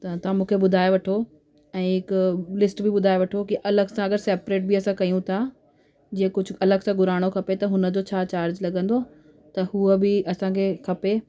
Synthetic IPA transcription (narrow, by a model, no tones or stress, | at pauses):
t̪ɐt̪ɐʋãmũːkʰeɓʊd̪ʱaːeʋɐʈʰo | ɛ̃ːɦɪkʊlɪsʈbɪbʊd̪ʱaːeʋɐʈʰokiʔɐləɡsãɐɡəɾseːpɾeːʈ̚biɐsãkɐiũt̪ʰa | d͡ʑĩːə̃kʊd͡ʑʱʊ̆ɐləɡsãɡʊɾaːɽ̃okʰɐpet̪ɐɦʊnə̆d͡ʑot͡ɕʰaːt͡ɕaːɾd͡ʑlɐɡə̃nd̪o | t̪ɐhuəbɪʔɐsãːkʰekʰɐpe